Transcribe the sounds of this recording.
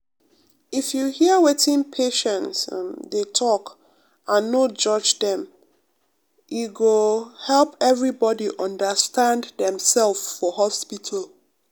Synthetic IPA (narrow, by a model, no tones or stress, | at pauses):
ifjuhiəwetĩnpʰeʃɛ̃nsdetʰɔk | ãnːod͡ʒʌd͡ʒdɛ̃m | juɡohɛlˠpɛvɹibɔdiʔɔ̃ndəstʰãnddɛ̃msɛlffɔɦɔspitʰal